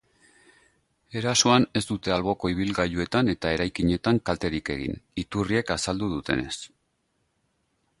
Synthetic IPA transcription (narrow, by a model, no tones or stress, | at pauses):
e̞ɾasoane̞zd̪ut̪e̞alβo̞ko̞iβ̞ilɣaʎue̞t̪ane̞t̪ae̞ɾajkiɲe̞t̪aŋkalt̪e̞ɾike̞ɣḭnit̪urie̞kasald̪uðut̪e̞̰ne̞s